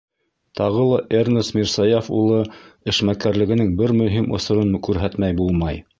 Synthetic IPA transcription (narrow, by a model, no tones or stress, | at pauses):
t̪ɑʁɤlˠɑʔernɘsmʲiɾsɑjofṵlˠɤɘ̆ʃmækæɾlɘ̆ɡɘ̆nɘŋbɘɾmɵ̆ɦimʔŏ̰sŏɾɤnkʉɾɦæt̪mæjbulˠmɑj